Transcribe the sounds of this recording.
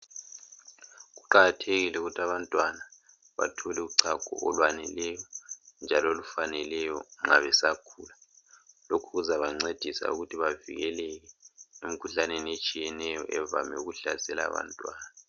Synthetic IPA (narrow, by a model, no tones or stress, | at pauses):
ɣuǃaɣatʰeɣilɛuɣutʰaβantʼwana | βa̰tʰɔlɛuǀʰaɡ̥ʱɔ̰ʔɔlwanɛlɛjɔnd͡ʒʱalolufanɛlɛjɔ̰ŋa̰βɛsakʰuːlalokʰuɣuzaβaŋ͡ǀed̥ʱisa̰ṵɣutʰiβavḭɣɛlɛɣɛemikʰuɬanenet͡ʃʼijɛnɛjɔʔɛva̰mɛuɣuɬasɛla̰ːβa̰ntʼwa̰ːna